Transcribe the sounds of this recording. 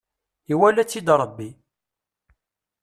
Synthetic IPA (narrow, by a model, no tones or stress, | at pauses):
iwælæt͡sːid̪ɾˤəbːi